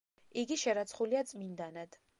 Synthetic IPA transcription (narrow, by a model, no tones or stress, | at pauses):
iɡiʃɛɾat̪sʰχuliat̪sʼmind̪anad̪̥